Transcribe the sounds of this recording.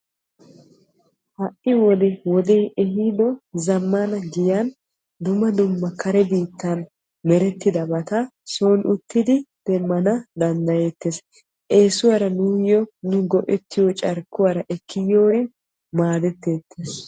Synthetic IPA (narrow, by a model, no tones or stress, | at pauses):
hɐʔɪwɔd̪ɛwɔd̪eːʔɛɦid̪ɔzɐmːanɐɡɪjan | d̪ʊmːɐd̪ʊmːɐkɐɾɛbiːt̪ːɐn | mɛɾɛt̪ːɪd̪ɐbɐt̪ɐsoːnʔʊt̪ːɪd̪ɪd̪̥ɛmmːɐnɐd̪ɐnd̪ɐje̞ːt̪ːes | ʔe̞ːsʊwaɾɐnujɔnʊɡɔʔɛt̪ːɪjɔt͡ʃʼɐɾkːʊwaːɾɐʔɛkːɪjo̞ːɾɪ | maːd̪ɛt̪ːeːt̪ːes